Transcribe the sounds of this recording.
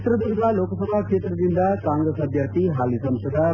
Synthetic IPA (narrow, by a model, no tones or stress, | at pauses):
t̪ɾəd̪uɾd̪aloːksəbʱakʂeːt̪ɾəd̪ind̪akãŋɡɾesɐd̪ʱjəɾt̪ʰiɦaːlisɐ̃msəd̪ʱa